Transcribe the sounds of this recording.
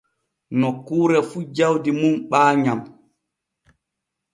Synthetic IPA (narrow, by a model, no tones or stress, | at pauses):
nɔkːuːɾɛfud͡ʒawdimumɓaːɲam